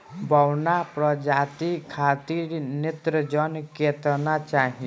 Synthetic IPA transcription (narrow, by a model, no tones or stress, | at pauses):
bʱɔwnapɾɔd͡ʒat̪ikʰat̪iɾnet̪ɾəd͡ʒɔnket̪nat͡ʃaɦĩ